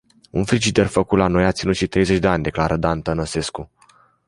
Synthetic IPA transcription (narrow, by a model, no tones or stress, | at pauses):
ṵnfɾid͡ʒit̪e̞rfəkut̪lano̞jat̪sinut̪ʃit̪ɾe̞jze̞t͡ʃʲd̪eanʲd̪e̞klaɾʔəd̪ant̪ənəse̞sku